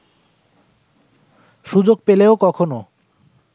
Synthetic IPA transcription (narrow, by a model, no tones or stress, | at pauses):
ʃud͡ʑoɡ̚peleokɔkʰono